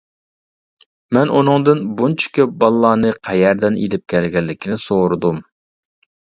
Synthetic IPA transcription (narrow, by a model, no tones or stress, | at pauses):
mɛnʔunɨŋd̪ɨnbunt͡ʃʰi̥kʲʰøp̚bɑlˠːɑːnɨqʰɛjɛɾd̪ɛnḭlɪp̚kʲʰɛlɡʲɛlːɪkʲʰinɪsoɾɨd̪um